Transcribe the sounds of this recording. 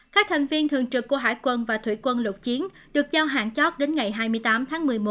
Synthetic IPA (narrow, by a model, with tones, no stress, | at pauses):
kaː˦˥k̚t̪ʰa˨˩jŋ̟vi˧ənt̪ʰɨ˨˩əŋt͡ɕɨ˨˩kːu˧˩əɦa̰ː˧˥˩jkwə˧nvaː˨˩t̪ʰwḭ˧˩kwə˧nlə˨˩t̚t͡ɕi˨˦ən | ɗɨ˨˩ək̚zaː˧wɦa̰ː˧˨nt͡ɕɔ˦˥t̚ɗe˨˦nŋa˨˩jɦaː˧jmɨ˧əjt̪aː˨˦mt̪ʰaː˨˦ŋmɨ˨˩əjmo˨˦